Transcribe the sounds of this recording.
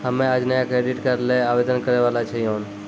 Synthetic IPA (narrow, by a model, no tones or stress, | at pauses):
həmẽad͡ʒnəjakɾeɖiʈkəɾleaʋed̪ənkəɾeʋalat͡ʃʰɛjon